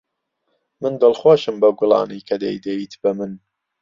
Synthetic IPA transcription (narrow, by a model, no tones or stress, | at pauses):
mɨnd̪ɨlˠχwoːʃɨmbɐɡʷʊlˠɑ̰ːnɨjkʰɐd̪ḛjd̪ɐjiːt̪ʰbɐmɨn